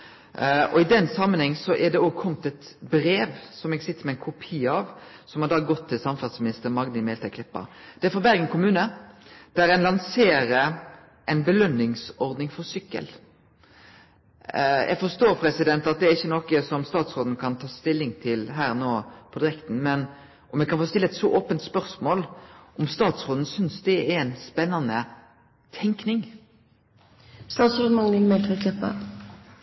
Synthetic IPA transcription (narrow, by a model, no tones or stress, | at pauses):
ɔɪd̪ɛnsɑmːənhɛŋːsɔʔɛd̪ɛɔːɡ̚kʰɔmt̪ɛt̪bɾeːʋsɔmɛɡsɪt̪ːəɾmɛɪnkʰʊpʰiːɑʋsɔmhɑd̪ɑːɡɔt̪ʰːɪlsɑmfɑt̪smɪnɪst̪əɾmɑɡnɪmɛːlt̪ʰɛklɪpːɑ̰d̪̥ɛæɾfɔbæɾɡənkʰʊmʉːnəd̪̥æɾɛnlɑnseːɾə | ʔɛɪnbəlœnːɪŋsɔɾd̪nɪŋfɔɾsʏkːə̰l | jʔæ̰ɡfɔst̪oːɾpʰɾɛsɪd̪ɛnt̪ɑt̪̚d̪ɛæɾɪçːənɔkəsɔmst̪ɑːt̪sʁoːd̪n̩kʰɑnt̪ʰɑːst̪ɪlːɪŋt̪ʰɪlɦæːɾnoːpʰɔd̪ɪʁɛkt̪n̩mɛn | ʔɔmjɛkɑnfoːst̪ɪlːəɛt̪sɔʔoːpənt̪spœʁsmoːlʔɔmst̪ɑːt̪sʁoːd̪n̩sʏnsd̪ɛɛɾɛɪnspɛnːɑnə | t̪ʰɛŋknɪŋ | st̪ɑːt̪sɔd̪mɑŋɪlmɛlt̪əkʰlɛpːə̰